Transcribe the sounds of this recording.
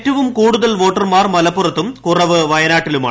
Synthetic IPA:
tːɐʋumkuːɽuðɐlʋoːʈːɐrmaːrmɐlɐpːurɐt̪ːumkurɐʋɨʋɐjɐnaːʈːiluma̰ː

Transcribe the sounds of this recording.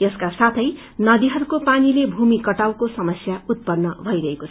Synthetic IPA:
jʌskasat̪ʰʌj | nʌd̪iɦʌɾukopanilebʱumikʌʈawkosʌmʌsjaut̪̚pʌnːʌbʱʌiɾʌɦekot͡sʰ

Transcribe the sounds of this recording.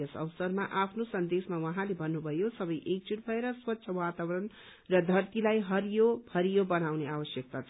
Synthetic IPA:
ʌsʌ̰wsʌrmaʔapʰnosʌnd̪esmawʌɦãlebʱʌnːubʱʌjosʌbʌjʔek̚t͡suʈ̚bʱʌeɾʌswʌtːsʰʌwat̪awɾʌn | rʌd̪ʱʌrt̪ilajɦʌɾjobʌɾijobʌnawneabʌsjʌk̚t̪at͡sʰʌ

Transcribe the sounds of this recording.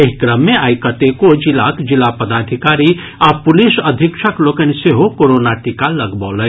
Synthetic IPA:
eɦikɾəmːeaːikət̪ekod͡ʒilakd͡ʒɪlapəd̪aːd̪ʱikaːɾi | apʊlisəd̪ʱikʃʰəklokənseɦokoɾonaʈikaləɡbɔːlə

